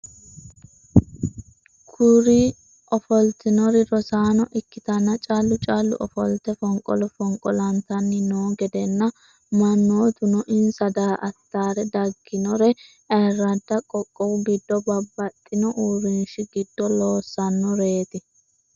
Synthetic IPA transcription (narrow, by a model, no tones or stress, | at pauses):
kʰʊɾi | ʔɔfɔlt̪ɪnɔɾɪɾɔsaːnɔʔɪkːɪt̪ɐnːɐt͡ʃʼaːlːʊt͡ʃʼaːlːʊ̰ʔɔ̰fɔ̰lt̪ɛfɔŋkʼɔ̰lɔfɔŋkʼɔlɐnt̪ɐnːɪnoːɡɛd̪ɛnːɐ | mɐnːoːt̪ʊnɔʔɪnsɐd̪aːʔɐt̪ːaːɾɛd̪ɐɡːɪnɔɾɛ | ɐrːɐd̪ːɐkʼɔkʼːɔwɡɪd̪ːɔbɐbːɐt̪ʼːɪnɔʔuːɾɪnʃɪɡɪd̪ːɔloːsːɐnːɔɾe̞ːt̪ɪ